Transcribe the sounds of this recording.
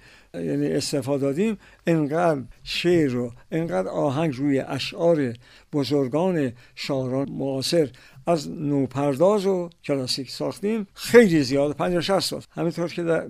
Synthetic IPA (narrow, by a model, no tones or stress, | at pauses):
jæ̰ːniːest̪efɒːd̪ɒːd̪iːm | eŋɡæd̪ʃeɾoeŋɡæːd̪ɒːɦæŋɡɾuːjeʔæʃʔɒːɾe̞ | b̥ozoɾɡɒːne̞ʃɒːɾɒːmoɒːse̞ɾ | æznoːpʰæɾd̪ɒːzokʲʰelɒːsiːkʰsɒːxt̪iːmxejliːzijɒːd̪pʰænd͡ʒoʃæssɒ̰ːlhæmint̪ʰoɾkʰed̪æɾ